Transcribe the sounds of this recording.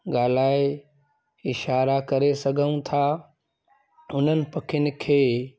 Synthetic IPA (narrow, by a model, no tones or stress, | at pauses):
ɡaːl̤aːe | ɪʃaːɾakɐɾesɐɡʱəũt̪ʰa | ʊn̤ənɪ̆pɐkʰɪʊnɪ̆kʰeː